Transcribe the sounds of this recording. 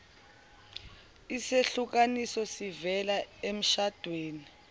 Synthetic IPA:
iseɬuk̬anisɔsivɛlaem̩ʃad̥ʱweːni

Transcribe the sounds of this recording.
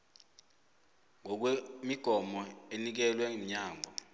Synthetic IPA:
ŋɔk̬wemiɡ̥ʱɔmɔenik̬ɛlwɛɲaːŋʱɔ

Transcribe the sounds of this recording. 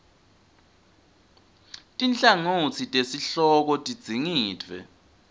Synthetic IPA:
tʼint͡ɬʼaŋot͡sʰitʼesiɬɔk̬ɔtʼid̥d͡z̥ʱiŋiːdʰʱvɛ̰

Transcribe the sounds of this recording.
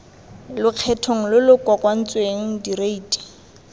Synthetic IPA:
lʊq͡χʰɛtʰoŋ̩lʊlʊkwakʼwan̩t͡sʼweŋ̩direiːtʼɛ̥

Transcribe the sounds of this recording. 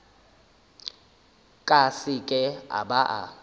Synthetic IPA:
kʼasikʼɛa̰baʔa̰

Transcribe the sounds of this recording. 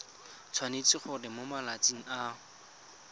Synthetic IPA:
t͡sʰwanet͡sɪχʊrɪmomalat͡sʼiŋ̩a

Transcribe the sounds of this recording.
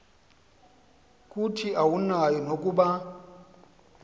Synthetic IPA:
kʼutʰiʔawunajɔnokʼuɓa

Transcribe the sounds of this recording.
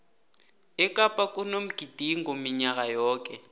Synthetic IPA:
ɛkʼapʼak̬ʼunom̩ɡ̥ʱid̥ʱiŋɡʱomiɲak̬ajɔːk̬ɛ

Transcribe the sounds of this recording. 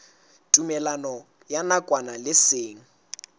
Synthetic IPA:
tʼumɛlanɔ | janakʼwanalɪseːŋ̩

